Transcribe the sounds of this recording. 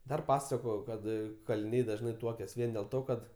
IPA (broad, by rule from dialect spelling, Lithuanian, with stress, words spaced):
ˈdɐr ˈpɑːsɐkoːjoː ˈkɐt kɐlʲɪˈnʲɛɪ dɐʒˈnɐɪ ˈtuɔkʲɛs ˈʋʲiɛn dʲeːlˠ ˈtoː ˈkɐt